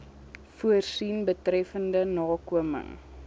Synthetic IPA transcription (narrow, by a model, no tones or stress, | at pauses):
fuərsinbətrɛfəndənɑːkuəmə̰ŋ